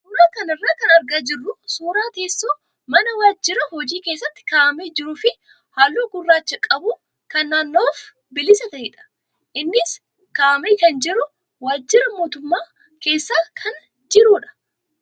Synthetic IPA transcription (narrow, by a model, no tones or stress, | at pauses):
suːɾaːkɐnɐrːaːkɐnɐɾɡaːd͡ʒɪrːʊsuːɾaːt̪e̞ːsːoː | mɐnɐwaːd͡ʒːɪɾɐhɔd͡ʒiːke̞ːsːɐt̪ːɪ̥kaːmeːd͡ʒɪɾuːfɪ | haːlːoːɡʊrːaːt͡ʃːɐkʼɐbʊ | kɐnːaːnːo̞ːf | bɪlɪsɐt̪ɐhɪᶑɐ̥ | ʔɪnːɪs | kaːmeːkɐnd͡ʒɪɾʊ | waːd͡ʒːɪɾɐmo̞ːt̪ʊmːaː | ke̞ːsːaːkʰɐn | d͡ʒɪɾuːᶑɐ̥